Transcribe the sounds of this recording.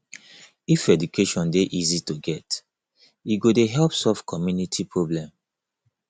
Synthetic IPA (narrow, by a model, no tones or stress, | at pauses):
ifɛdukʰeʃɔ̃ndeʔizitoɡɛt | iɡodeɦɛlpsɔvkʰɔmjunitʰipʰɹoblɛ̃m